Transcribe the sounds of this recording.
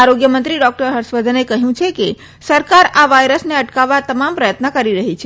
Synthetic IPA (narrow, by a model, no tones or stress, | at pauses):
aɾoɡjəmənt̪ɾiɖɔk̚ʈəɾɦəɾʃʋəd̪ʱənekəɦjũt͡ʃʰeke | səɾkaɾaʋajɾəsneəʈkaʋːat̪əmampɾəjət̪nəkəɾiɾəɦit͡ʃʰe